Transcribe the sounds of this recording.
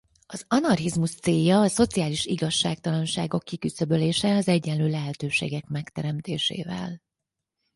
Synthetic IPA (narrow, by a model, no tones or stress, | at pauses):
ɒzɒnɒrɦizmuʃt̪seːjːɒːso̞t̪sijaːliʃiɡɒʃːaːk̚t̪ɒlɒnʃa̰ːɡo̞kːikysø̞bøleːʃɛɒzɛɟːɛnløːlɛɦɛt̪øːʃḛːɡɛkmɛkt̪ɛɾɛmt̪eːʃḛːvɛ̰l